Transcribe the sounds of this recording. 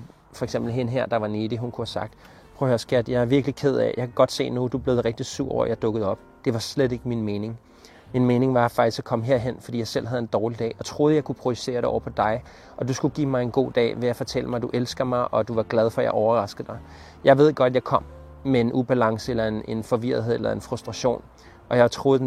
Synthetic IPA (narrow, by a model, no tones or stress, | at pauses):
fɒ̽eɡsemb̥l̩ɦe̝nəɦeɐ̰d̥ɑ̈ʋɑ̈ned̥iɦunkʰuhæsɑ̈ɡ̥̚d̥ | pʰʁohøɐsɡ̥æd̥jɑ̈ɪæɐʋiɐɡ̥likʰe̝ð̞̰ˠɛ̰jɑ̈kʰæɡ̥ɒ̽d̥se̝̰ːnud̥ub̥le̝ð̞̩ˠʁɛɡ̥̚d̥isuɐ̰ɐjɑ̈ɪd̥ɔ̽ɡ̥ð̩ˠɒ̽b̥d̥e̝ʋɑ̈sled̥e̝ɡ̥əminme̝ːne̝ŋ | minme̝ːne̝ŋʋɑ̈fɑ̈ɡ̥isɒ̥kʰɒ̽məɦeɐ̰ɦen̰fɒd̥ḭjɑ̈ɪsel̰ɦæð̞̩ˠe̝nd̥ɒːlid̥ɛ̰ːɒ̽t͡sʰʁo̝ːð̞̩ˠjɑ̈ɪkʰupʰʁo̝̥yse̝̰ːɐɾ̥eɒ̰ʊɐpʰɒ̽d̥ɑ̈ɪ | ʔɒ̽d̥usɡ̥uɡ̥ḭːmɑ̈ɪe̝nɡ̥o̝̰ːd̥ɛ̰ːʋe̝jɑɪfɒ̽t͡sʰel̰əmɑ̈ɪæd̥uʔelsɡ̥ɐmɑ̈ɪʔɒ̽d̥uʋɑ̈ɡ̥lɛð̞ˠfɒ̽jɑ̈ɪʔɒʊɐʁɑ̈sɡ̥ð̩ˠd̥ɑ̈ɪ | jɑ̈ɪʋe̝ð̞̰ˠɡ̥ɒ̽ɾædjɪkʰɒ̽m̰ | meenub̥ælɑ̈ŋsəelɐe̝ne̝nfɒ̽ʋiɐ̰ðˠɦe̝̰elɐe̝nfʁusd̥ʁɑ̈ɕo̝̰ːn | ʔɒ̽jɑ̈ɪt͡sʰʁo̝ːð̩ˠ